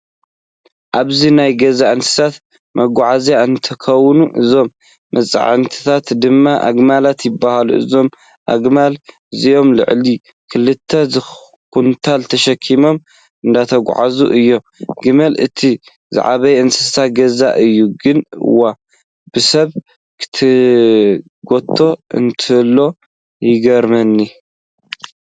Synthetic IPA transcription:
ʔaβzinajɡɐzaʔɨnsɨ̥sat̪ | mɐɡʷʕazjaɨnt̪ʰɐkʰɐwːnuʔɨ̰zo̞mː | ɐt͡sʼʕɨ̰nt̪ʰi̥t̪ʰat̪d̪ɨmːaʔa̰ɡmalat̪jɪbːahalṵʔɨ̰zo̞m | ʔa̰ɡmal | zijo̞mlɨ̰ʕli | kʰɨlɨt̪ʰːɐzɨ | kunt̪ʰalt̪ʰɐʃɐkʰːimo̞m | ɨnd̪at̪ʰɐɡ̰ʷʕa̰zṵʔɨjːo̞ | ɡɨmɐlɨ̰t̪ʰi | zɨ̰ʕa̰βɐjɨnsɨsaɡɐza̰ʔɨjːuɡɨnɨ̰wːa | b̥ɨsɐβ | kʰɨ̥t̪ʰɨ | ɡo̞t̪ʰːo̞ɨ̰nt̪ʰɨlːo̞ | jɪɡɐɾmɐnːi

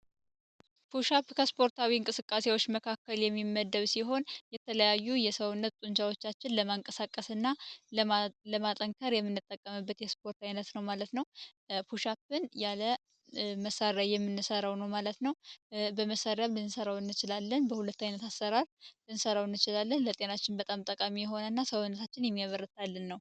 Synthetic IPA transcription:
fʰuʃapːkʰəspʰo̞ɾt̪ʰawiɨŋkʼɨsɨkʼːase̞wo̞t͡ʃːməkʰakːəljɛmːimːəd̪ːəβsiɦo̞njɛt̪ʰələjajːujɛsəwʊnːət̪t̪ʼuɲt͡ʃawo̞t͡ʃːat͡ʃːɪnləmaɨŋkʼəsakʼːəsɨnːa | ləmat̪ʼəŋkʰəɾjɛmːɨnːɨt̪ʼːəkʼːəmɨbːət̪jɛspʰo̞ɾt̪ajnət̪nəwmalət̪nəwpʰuʃapːɨnjalə | məsaɾjajɛmːɨnːɨsəɾawnəwmalət̪nəwbəməsaɾjamlɨnsəɾawɨnːɨt͡ʃɪlalːənbəhulət̪ːajnət̪asːəɾaɾlɨnsəɾawɨnːɨt͡ʃɪlalːənlət̪ʼe̞nat͡ʃːɪnbət̪ʼamt̪ʼəkʼamijɛɦo̞nənːasəwɨnːət̪ʰat͡ʃːɪnjɛmːijaβəɾːɨt̪ʰːalːɨnːəw

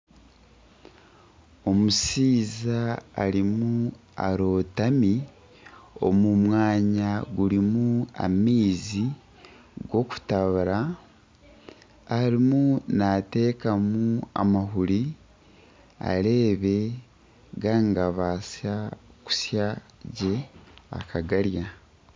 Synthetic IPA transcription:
o̞musiːzaːɾimu | a̰ɾo̞ːtami | o̞̰mumwaːɲaɡuɾimua̰miːzi | ɡo̞ku̥taβaɾa | ɾimunate̞ːkamua̰maɦuɾi | a̰ɾe̞ːβe̞ | ɡaŋɡaβasaku̥sjaɟe̞a̰kʰaɡaɾja

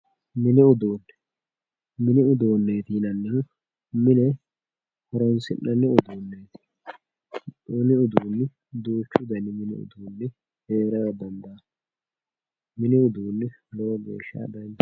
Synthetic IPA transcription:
mɪnɪʊd̪oːnː | mɪnɪʊd̪oːnːeːt̪inɐnːɛ | mɪnɛ | hɔɾɔnsɪ̰nːɐnːɛʊd̪oːnːeːt̪ɪ̥ | ʊnɪʊd̪uːnːɪ | d̪uːt͡ʃːʊd̪ɐnːɪmɪnɪ̰ʊ̰d̪uːnːɪ | heːɾɐjɔd̪ɐnd̪aː | mɪnɪʊd̪uːnːɪlɔwɔɡḛːʃːa̰ːd̪ɐjnː

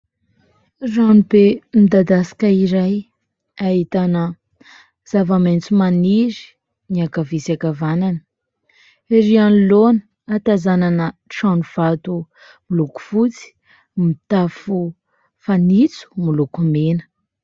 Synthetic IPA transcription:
ranubemid̪ad̪asḁkaiɾaj | aɦit̪anə | z̥avament͡sumaniɾi̥ | niakavisakavananə̥ | eɾianlonə̥ | at̪azananəʈ͡ʂanuv̥at̪u | miluku̥fut͡si̥ | mit̪afu | fanit͡su̥mulukumenə̥

